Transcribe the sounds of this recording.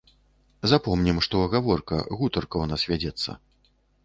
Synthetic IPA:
zapɔmnʲimʂt̪ɔɐɣavɔrkɐ̰ɣut̪ɐrkɐwnasvʲad͡zʲɛt̪sːɐ̰

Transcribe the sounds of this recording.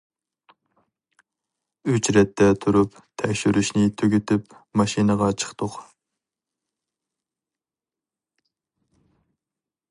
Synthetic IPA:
yt͡ʃɾɛt̪ʰːɛt̪ʰuɾup | t̪ʰɛkʲʃyɾyʃnɪt̪ʰøɡʲet̪ɪpmɑʃinəʁɑt͡ʃʰə̥χt̪ʰʊq

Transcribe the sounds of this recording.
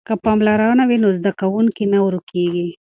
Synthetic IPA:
kapɑmlɑɾanawinozd̪akawuŋkinawɾukʰeɡi

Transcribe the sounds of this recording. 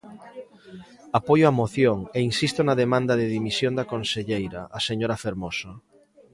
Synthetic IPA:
apojoamoθjoŋeinsist̪ʊnɐðemãnd̪ɐðɪðimisjond̪ɐkonseʎejɾɐ̰aseɲoɾɐfeɾmosɐ

